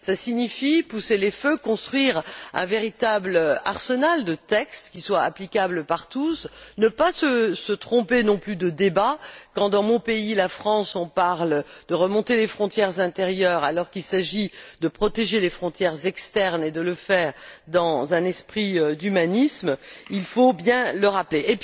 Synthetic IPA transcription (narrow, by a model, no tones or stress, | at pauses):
sasiɲifipuseleføkɔ̃st̪χɥiʁɛ̰̃veʁit̪abla̰ʁsənald̪ət̪ɛkst̪kʲiswaa̰plikʲabləpaʁt̪usnəpasəsət̪χɔ̃penɔ̃plyd̪əd̪ebakɑ̃d̪ɑ̃mɔ̃peilafχɑ̃sɔ̃paʁld̪̥əʁəmɔ̃t̪elefχɔ̃t̪jɛʁzɛ̃t̪eʁjœʁalɔʁkilsaʒid̪əpχɔt̪eʒelefχɔ̃t̪jɛʁzɛkst̪ɛʁned̪ələfɛːʁd̪ɑ̃zɛ̃nɛspχiød̪ymanismilfobjɛ̃ləʁapleʔːp